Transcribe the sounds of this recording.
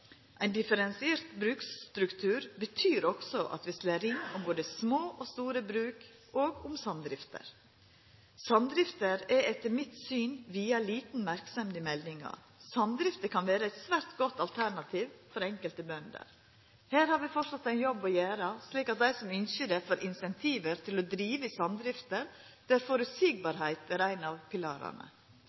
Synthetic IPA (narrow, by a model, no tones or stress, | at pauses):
ʔæɪnd̪ɪfəɾɛnsɪeːɾt̪bɾʉːkst̪ɾʉkt̪ʰʉːɾbət̪ʰyːɾɔksɔʔɑ̰t̪ʋɪsleːɾɪnːʊmboːd̪əsmoːʔost̪uːɾəbɾʉːk | ʔoːɡʊmsɑnd̪ɾɪft̪ʰə̰ɾ | sɑnd̪ɾɪft̪əɾɛɛt̪ːəɾmɪt̪syːnʋiːɑliːt̪n̩mæɾksɛmd̪əmɛld̪ɪŋɑ̰ | sɑnd̪ɾɪft̪əkʰɑnʋeːɾəæɪt̪sʋæɾt̪ɡɔt̪ːɑlt̪ʰæɾɳɑt̪ʰiːʋfɔɾɛŋkəlt̪əbœnd̪ə̰ɾ | hæːɾhɑɾʋɪfɔsɑt̪ːæɪnjɔbɔjæːɾɑsliːkɑt̪̚d̪æɪsɔmʏnçəd̪ɛfɔɾʔɪnsɛnt̪ʰiːʋəɾt̪ʰɪlɔd̪ɾiːʋəsɑnd̪ɾɪft̪əɾd̪̥æɾfoɾʉsiɡ̚bɑɾɦæɪt̪æɾæɪnɑʋpʰɪlɑ̰ːɾɑ̰ɳə̰